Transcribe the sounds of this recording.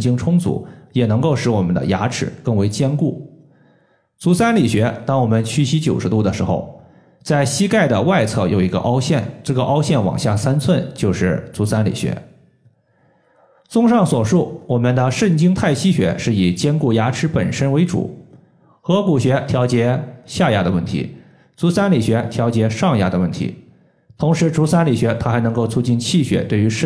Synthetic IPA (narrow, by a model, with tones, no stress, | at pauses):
t͡ɕi˥ŋʈ͡ʂʰʊ˥ŋt͡sṵ˧˥jɛ˨˩nɤ˧˥ŋko˥˩ʊʂɻ̩˧˥wɔ˨˩mə˦nd̪ə̰˧ja̰˧˥ʈ͡ʂʰɻ̩̰˧˥kɤ˥˩ŋwe˧˥ɪt͡ɕjɛ˥nku˥˩ | t͡su˧˥sa˥nli˨˩ɕɥɛ˧˥t̪ɑ˥ŋwɔ˨˩mə˦nt͡ɕʰy˥˩ɕi˥t͡ɕjo˨˩ʊʂɻ̩˧˥t̪u˥˩d̪ə˩ʂɻ̩˧˥xo̰˧ʊ | t͡sa˥˩ɪɕi˥ka˥˩ɪd̪ə˩wa˥˧ɪt͡sʰɤ˥˩jo˨˩ʊi˧˥ɡə̰˧ʔɑ˥ʊɕjɛ˥˩nʈ͡ʂɤ˥˩ɡə˩ʔɑ˥ʊɕjɛ˥˩nwɑ̰˨˩ŋɕja˥˩sa˥nt͡sʰwə˥˧nt͡ɕjo˥˧ʊʂɻ̩˥˩t͡su˧˥sa˥nlḭ˨˩ɕɥɛ̰˧˥ | t͡sʊ˥ŋʂɑ˥˩ŋswɔ˨˩ʂu˥˩wɔ˨˩mə˧˦nd̪ə˧ʂə˥˩nt͡ɕi˥ŋt̪ʰa˥˩ɪɕi˥ɕɥɛ̰˧˥ʂɻ̩˥˩i˨˩t͡ɕjɛ˥nku˥˩ja˧˥ʈ͡ʂʰɻ̩˥pə̰˨˩nʂə˥nwe˧˥ɪʈ͡ʂṵ˨˩˦ | xɤ˧˥ku˨˩ɕɥɛ˧˥t̪ʰjɑ˧˥ʊt͡ɕjɛ˧˥ɕja˥˩ja̰˧˥d̪ə˧wə˥˩nt̪ʰḭ˧˥ | t͡su˧˥sa˥nli˨˩ɕɥɛ˧˥t̪ʰjɑ˧˥t͡ɕjɛ˧˥ʂɑ˥˩ŋja˧˥d̪ə˧wə˥˩nt̪ʰḭ˧˥ | t̪ʰʊ˧˥ŋʂɻ̩˧˥ʈ͡ʂu˧˥sa˥nli˨˩ɕɥɛ˧˥t̪ʰa˥xa˧˥nɤ˧˥ŋko˥˧ʊt͡sʰu˥˧t͡ɕi˥˧nt͡ɕʰi˥˩ɕɥɛ̰˧˥t̪we˥˩ɪy˧˥ʂ